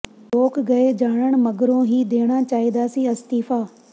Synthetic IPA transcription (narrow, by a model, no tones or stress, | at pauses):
ɾoːkʰɡɐed͡ʒaːɽ̃əɽ̃mɐɡəɾõɦiːd̪eːɽ̃at͡ʃaːɦid̪aːsiɐst̪iːfaː